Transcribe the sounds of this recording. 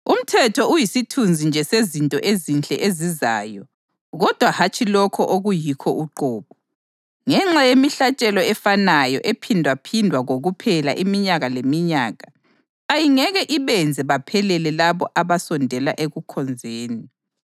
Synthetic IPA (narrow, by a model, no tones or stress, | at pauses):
um̩tʰɛtʰɔujisitʰund͡zʱind͡ʒʱɛsezintʼɔʔezint͡ɬʼɛʔeziza̰ːjɔ | ɣɔd̥ʱwahat͡ʃʰʼilɔkʰɔʔoɣujikʰɔʔuǃɔːβɔ | ŋɛŋ͡ǁajemiɬat͡ʃʼɛlɔɛfanajɔ̰ʔepʰindʱwapʰindʱwaɣoɣupʰɛla̰ʔimiɲaɣalemiɲaːɣaː | jiŋɛɣɛʔiβɛnd͡zʱɛβapʰɛlɛlɛlaβɔʔaβasɔndʱɛlaʔeɣukʰɔnd͡zʱeːni